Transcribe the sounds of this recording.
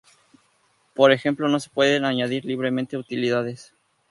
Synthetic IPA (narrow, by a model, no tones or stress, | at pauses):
po̞ɾe̞xe̞mplo̞no̞se̞̥pwe̞ðe̞naɲaðiɾliβɾe̞mẽ̞nt̪eut̪iliðaðe̞s